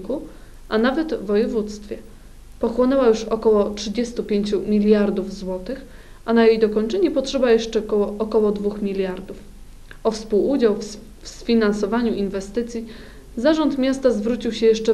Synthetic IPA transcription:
ku | ʔanavɛd̪vɔjɛvut̪st̪fʲjɛ | pɔxwɔnɛwajuʂɔkɔwɔtʂɘd͡ʑɛst̪upʲjeɲt͡ɕumʲilʲjaɾd̪uvzwɔt̪ɘx | ʔanajejd̪ɔkɔɲt͡ʂɛɲɛpɔtʂɛbajɛʂt͡ʂɛkɔɔːkɔwɔd̪vuxmʲilʲjaɾd̪uf | ɔfspuwud͡ʑawf | sfʲinansɔvaɲuʔinvɛst̪ɘt̪sʲji | zaʐɔnt̪mʲjast̪azvɾut͡ɕiwɕɛjɛʂt͡ʂɛ

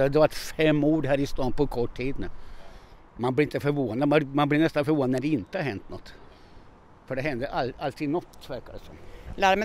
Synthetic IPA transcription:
d̪ɛvaʈfɛmːuːɖɦæːɾɪst̪ɑːnpʰɔkʰɔʈːʰiːd̪nʉ | manblɪɾɪnt̪əfœɾvoːnad̪mmanblɪnɛst̪anfœɾvoːnd̪næɖɛɪnt̪əhaɾɦɛnt̪nɔt̪ː | fœɖɛɦɛnd̪əʔaalt̪ʰiːd̪nɔt̪ːvæɾkaɾsɔ̰mlæːɾmɛ

